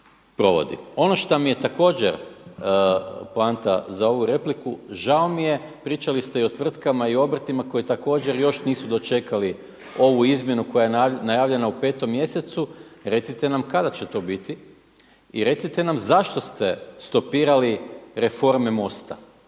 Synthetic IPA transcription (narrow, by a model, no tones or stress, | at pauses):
pɾo̞ʋo̞̰d̪ḭo̞no̞ʃt̪omije̞t̪ako̞ːd͡ʑeɾ | plant̪azao̞ʋuɾe̞plikuʒaomije̞pɾiːt͡ʃalist̪eio̞t̪ʋr̩t̪kamaio̞br̩t̪imako̞jit̪ako̞ːd͡ʑeɾjo̞ʃniːsud̪o̞t͡ʃe̞kali | o̞ʋuizmje̞nuko̞jajenajaːʋʎʲe̞naupe̞ːt̪o̞mːje̞se̞t̪suɾe̞t̪sit̪enamkad̪at͡ɕe̞t̪o̞bit̪i | ḭɾe̞t̪sit̪e̞namzaʃt̪o̞st̪e̞st̪o̞piːɾaliɾefo̞ɾmemo̞st̪a̰